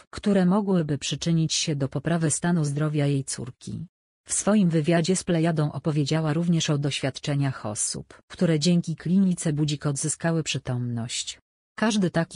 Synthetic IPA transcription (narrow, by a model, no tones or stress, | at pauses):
kt̪uɾɛmɔɡwɘbɘpʂɘt͡ʂɘɲit͡ɕɕɛd̪ɔpɔpɾavɘst̪anuzd̪ɾɔvʲjajejt̪sṵɾkʲḭ | fsfɔjimvɘvʲjad͡ʑɛsplɛjad̪ɔ̃w̃ʔɔpɔvʲjed͡ʑawaɾuvɲɛʂɔd̪ɔɕfʲat̪t͡ʂɛɲaxɔsṵpkt̪uɾɛd͡ʑɛŋkʲiklʲiɲʲit̪sɛbud͡ʑikɔd̪zɘskawɘpʂɘt̪ɔmnɔɕt͡ɕ | kaʐd̪ɘt̪akʲi